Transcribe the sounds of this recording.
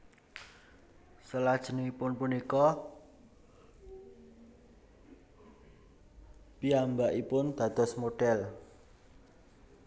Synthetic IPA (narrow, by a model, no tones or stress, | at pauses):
səlad̥ʒ̥əniipʊnpunikɔ | piambaʔipʊnd̪̥ä̤d̪̥ɔ̤smoɖ̥ɛl